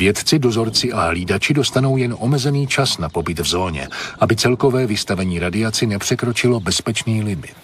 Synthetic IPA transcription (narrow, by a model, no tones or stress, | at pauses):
vjɛt̪t͡sɪdo̞zo̞ɾt͡sɪʔaɦliːdat͡ʃɪdo̞st̪ano̞wjɛnʔo̞mɛzɛniːt͡ʃasnapo̞bɪt̪vzo̞ːɲɛ̰ʔabɪt͡sɛlko̞vɛːvɪst̪avɛɲiːɾadɪat͡sɪnɛpr̝̥ɛkɾo̞t͡ʃɪlo̞bɛspɛt͡ʃniːlɪmɪ̰t̪